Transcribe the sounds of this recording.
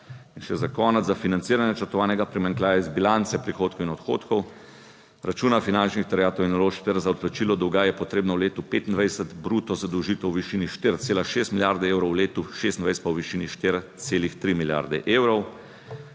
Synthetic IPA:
inʃɛzakɔːnɛafinant̪siːɾanjɛt͡ʃəɾt̪ɔʋaːnɛɡapɾimaŋklʲaːjaizbilant̪sɛpɾixoːt̪̚kɔwinɔt̪xoːt̪kɔw | ɾat͡ʃuːnafinant͡ʃnixt̪ɛɾjaːt̪ɔwinɔloːʃkt̪ɛɾzaɔt̪plat͡ʃiːlɔd̪ɔwɡajɛpɔt̪ɾeːbnɔwleːt̪upet̪ind̪ʋɛjsət̪bɾut̪ɔzad̪əwʒiːt̪ɛwʋiʃiːniʃt̪iɾt̪seːlaʃeːst̪milʲjaɾd̪ɛewɾɔwleːt̪uʃest̪nʋɛjsɛt̪̚pawʋiʃiːniʃt̪ɪɾt̪seːlixt̪ɾimilja̰ɾd̪ɛ̰ʔeːwɾɔw

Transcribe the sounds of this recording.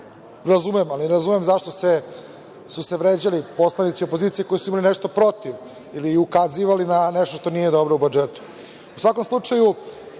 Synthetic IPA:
ɾazumɛmaliɾazumemzaʂt̪ose | suseʋɾeːd͡ʑalipo̞slanit̪sio̞pozit̪sijeko̞jisuimalineʂt̪opɾo̞t̪iʋ | iliːukaziʋalinaneʃt̪oʃt̪o̞nijed̪o̞bɾoubud͡ʒet̪u̥ | usʋako̞mslˠut͡ʂaju

